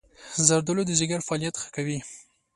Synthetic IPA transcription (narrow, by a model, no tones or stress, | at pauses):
zaɾd̪əlod̪əzɪɡaɾfɑɑlijat̪xə̥kawi